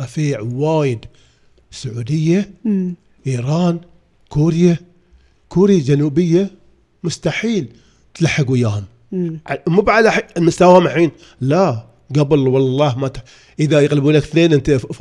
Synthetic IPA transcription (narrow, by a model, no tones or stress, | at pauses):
ɑfiːʕwaːjɪd̪ | sʊʕuːd̪ɪjːa | ʔiːɾˤɑːn | kuːɾja | kuːɾad͡ʒanuːbɪjːa | mʊst̪aħiːl | t̪laħːɪɡwɪjaːhʊm | ʕamubʕalaħlmʊst̪awhʊmaħiːn | la | ɡabɪlwɑlːɑːhmat̪ | ʔəðajɪɣlɪbuːnlakθneːnʔɪnt̪a